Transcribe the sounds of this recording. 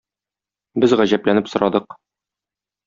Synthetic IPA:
bɘzʁæʑæplænɘpsŏɾʔɑd̪ɤq

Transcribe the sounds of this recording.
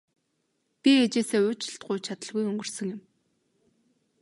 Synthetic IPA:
pʲiet͡ɕeːseːʊːt͡ɕɪ̆ɬt̪̚ɢʊjt͡ɕʰat̪ə̆ɮɣujɵŋɡɵ̆r̥sə̆ŋjɪ̆m

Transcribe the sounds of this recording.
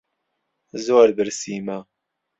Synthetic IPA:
zoːɾbɨɾsiːma

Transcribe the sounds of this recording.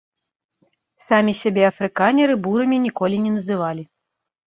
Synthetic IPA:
samʲisʲabʲɛɐfɾɨkanʲɛɾɨbuɾɐmʲinʲikɔlʲinʲɛnɐzɨvalʲi

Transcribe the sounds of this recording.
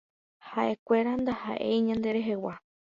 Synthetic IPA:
haʔe̞kʷe̞ɾand̪aha̰ʔḛjɲãnd̪e̞ɾe̞ɦe̞wa

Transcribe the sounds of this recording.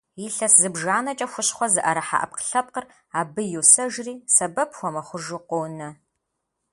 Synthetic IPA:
iɬɐszɨbʒaːnɐt͡ʃʼɐxʷʊɕχʷɔzɨʔɐɾɐħa̰ʔɐ̰p̚qə̥ɬɐp̚qər | aːbɨjusɐʒriːsɐbɐpʰxʷɔmɐχʷʊʒuqʷoːnɐ

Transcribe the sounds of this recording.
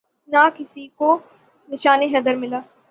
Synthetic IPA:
nakɪsiko | nɪʃaːneɦɛːd̪əɾmɪlaː

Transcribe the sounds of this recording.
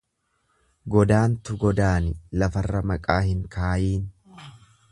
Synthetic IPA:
ɡɔd̪aːnt̪ʊɡɔd̪aːnɪlɐfɐrːɐmɐkʼaːhɪŋkaːjiːn

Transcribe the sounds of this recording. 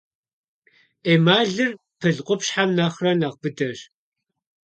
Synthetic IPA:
eːmaːɮɨr | pʰɨɮqʷʼʊpɕħamnɐχrɐnɐqbɨdɐɕ

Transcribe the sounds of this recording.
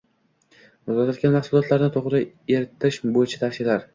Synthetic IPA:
ozɒt̪at̪ɡʲanmɑχsulˠɒt̪laɾnɪt̪ʰoʁɾɪ | eɾt̪ʰːɪʃbojɪt͡ʃʰḁt̪ʰaʃɪlaɾ

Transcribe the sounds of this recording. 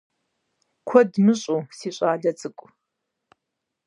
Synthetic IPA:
kʷʰɔdmɨɕʼusiːɕʷʼaːdɐt͡sʼɨkʷʼ

